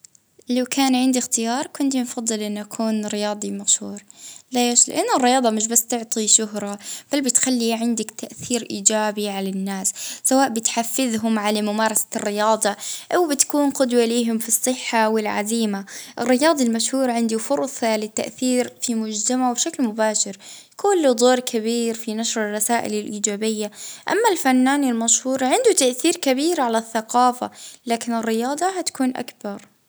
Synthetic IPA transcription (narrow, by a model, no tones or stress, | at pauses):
lawkʰaːnʕɪnd̪ixt̪ɪjɑːɾˤkʊnt̪infɑðˤːɨlʔɪnːʔakʰuːnɾɪjɑːd̪ˤimaʃhuːɾˤleːʃlɪ̰ʔanːʊrːɪjɑːd̪ˤɑmɪʃ̬basːt̪ʊʕt̪ˤiʃʊɦɾˤɑb̥albɪt̪xalːiʕɪnd̪ɪkt̪aʔθiːɾʔiːd͡ʒaːbiʕalanːaːsːawaːʔbɪt̪ħafːɪðɦʊmʕalamʊmɑːɾˤɑsḁrːɪjɑːd̪ˤɑʔawbɪt̪ḁkuːnqʊd̪waliːɦʊmfisˤːɨħːawɪlʕa̰ziːmaʔɪrːɪjɑːd̪ˤɑlmaʃhuːɾɑʕɪnd̪ufʊɾˤsˤɑlɪt̪ːa̰ʔθiːɾfimʊd͡ʒt̪amaʕbʃaklmʊbaːʃɪɾ | kʊlːd̪ˤoːɾkʰaβiːɾfinaʃɾɪrˤːɑsaːʔɪ̰lɪlʔiːd͡ʒaːbɪjːaʔa̰mːalfanːaːnɪlmaʃhuːɾˤʕɪnd̪ut̪aʔθiːɾkabiːɾʕalaθːaqɑːfa̰laːkɪnɪrːɪjɑːd̪ˤɑɦat̪ḁkuːnʔa̰kbɑɾˤ